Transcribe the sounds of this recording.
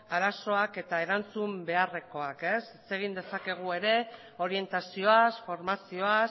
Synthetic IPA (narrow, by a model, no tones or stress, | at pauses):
aɾaso̞ake̞t̪ae̞ɾant͡sumbe̞are̞ko̞ake̞set͡se̞ɣ̞ind̪e̞sake̞ɣ̞ue̞ɾe̞ | o̞ɾie̞nt̪asio̞asfo̞ɾmasio̞as